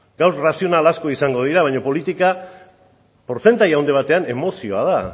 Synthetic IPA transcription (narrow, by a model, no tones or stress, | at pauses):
ɡ̥awɾrasio̞nalasko̞isaŋɡo̞ð̞iɾaβajɲopo̞lit̪ika | po̞ɾt͡se̞nt̪ajawnd̪eβ̞at̪e̞ane̞mo̞sio̞að̞a